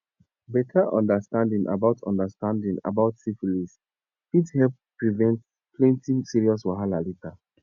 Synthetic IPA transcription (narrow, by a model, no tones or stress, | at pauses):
bɛtʰaʔɔ̰̃ndastãndĩŋʔa̰baʊtʰɔ̰̃ndastãndĩŋa̰baʊtsifilis | ithɛlp̚pɹivɛ̃nt | plɛ̃ntĩŋsiɹiɔswaɦalalita